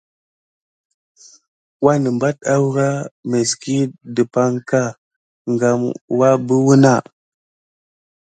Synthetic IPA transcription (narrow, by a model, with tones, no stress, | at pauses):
wa˦nə˨mba˦t̚a˦wɾa˦me˨ski˦də˨pa˦ŋka˦˨ | ŋɡa˨mwa˦bə˦wu˦na˦˨